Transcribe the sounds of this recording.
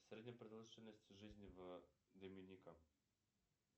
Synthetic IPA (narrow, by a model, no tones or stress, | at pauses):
sʲɾʲedʲnʲɪpɾəd̪ɐlˠʐɨtʲɪlʲnəsʲtʲɪʐɨzʲnʲɪvd̪əmʲɪnʲikə